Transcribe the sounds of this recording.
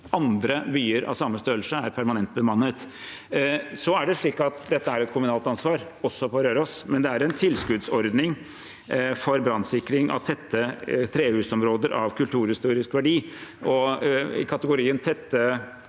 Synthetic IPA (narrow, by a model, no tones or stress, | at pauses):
ʔɑnd̪ɾəbyːəɾɑ̰ʋsɑmːəst̪øːlsəæɾpʰæɾmɑnɛnt̪̚bəmɑnːət̪ | sɔæɖɛʂɭiːkːɑt̪d̪ɛt̪ːəæɾɛt̪kʰʊmʉnɑːlt̪ɑnsʋɑːɾ | ɔsːɔpʰɔɾøːɾəɔsmɛnd̪ɛæɾɛnt̪ʰɪlskʉd̪sɔɾd̪nɪŋ | fɔɾbɾɑnsɪkɾɪŋʔɑ̰ʋt̪ʰɛt̪ʰːət̪ʰɾeːhʉːsɔmɾoːd̪əɾʔɑ̰ʋkʰʉlt̪ʰʉːɾhɪst̪uːɾɪskʋæɖiːʔɔɪ̰kʰɑt̪əɡʊɾiːənt̪ʰɛt̪ːə